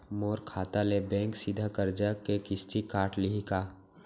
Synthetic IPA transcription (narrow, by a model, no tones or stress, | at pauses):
moːɾkʰaːt̪alebɛ̃ːŋksid̪ʱakəɾd͡ʒakekɪst̪ʰikaːʈlɪɦikaː